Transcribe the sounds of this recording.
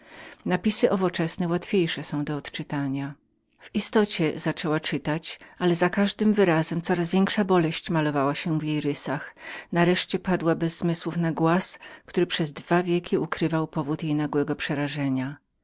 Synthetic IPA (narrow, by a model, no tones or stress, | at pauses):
napʲisɘʔɔvɔt͡ʂɛsnɛwat̪fʲjejʂɛsɔ̃w̃d̪ɔːt̪t͡ʂɘt̪aɲa | v̥ist̪ɔt͡ɕɛzat͡ʂɛwat͡ʂɘt̪at͡ɕalɛzakaʐd̪ɘmvɘɾazɛmt̪sɔɾazvʲjɛŋkʂabɔlɛɕt͡ɕmalɔvawaɕɛvjejɾɘsaxnaɾɛʂt͡ɕɛpad̪wabɛzːmɘswufnaɡwaskt̪uɾɘpʂɛzd̪vavʲjɛkʲʰiukɾɘvawpɔvut̪jejnaɡwɛɡɔpʂɛɾaʐɛɲa